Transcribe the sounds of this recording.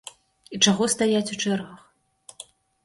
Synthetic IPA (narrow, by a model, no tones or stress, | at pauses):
it͡ʂaɣɔst̪ajat͡sʲut͡ʂɛrɣɐx